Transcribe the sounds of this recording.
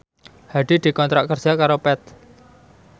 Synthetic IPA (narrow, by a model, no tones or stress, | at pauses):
haɖ̪̥i̤d̪̥i̤kɔnt̪ɾaʔkərd͡ʒakaɾopɛt̪̚